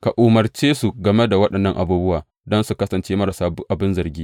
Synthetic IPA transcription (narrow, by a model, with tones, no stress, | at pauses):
ka˨ʔʊ˨mɐ˨rt͡ʃeː˦su˨ɡɐ˨me˦da˨wɐ˦ɗɐ˨nːɐ˦ŋʔa̰˨buː˦bʊ˦waː˨ | dɔ˦nsu˨kɐ˦sɐ˨nt͡ʃeː˦mɐ˦ɾɐ˨saː˦ʔa˨bɪ˦nzɐ˨rɡʲiː˦